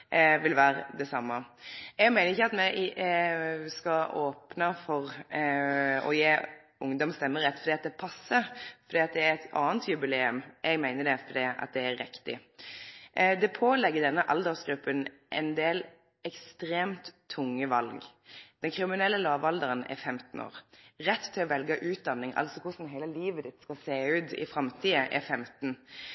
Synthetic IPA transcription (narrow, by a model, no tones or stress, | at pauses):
ʋɪlʋæːɾə̰d̪ɛsɑmːəɛɡmæɪnəɪçːəɑt̪mɛ | skɑoːpnəfɔʁ | ɔ̰jeː | ʊŋd̪ɔmst̪ɛmːəɾʁɛt̪ːfɔd̪iːɑt̪d̪ɛpʰɑsːəfɔɾd̪iːɑt̪̚d̪ɛæɾɛt̪ʰɑ̰ːnt̪ʰjʉbɪleːʉmʔɛɡmæɪnəɖ̪ɛfɔd̪iːɑ̰t̪̚d̪ɛæɾːɪkt̪ɪ̰ | d̪ɛpʰoːlɛɡːəd̪ɛnːəʔɑld̪əʁsɡɾʉpːən | ʔɛ̰nd̪eːl | ɛkst̪ɾeːmt̪ʰːʊŋːəʋɑlɡ | d̪̥ɛnkʰɾɪmɪnɛlːəlɑːʋɑld̪əʁənɛ̰ɾfɛmt̪n̩o̰ːʁɾɛt̪ʰːɪlɔʋɛlɡəʔʉːt̪̚d̪ɑnːɪŋɑ̰lsɔkʰʊsn̩ɦæɪləliːʋəd̪ɪt̪skɑseːʉːt̪ɪ̰fɾɑmt̪ʰiːəʔɛ̰fɛmt̪n̩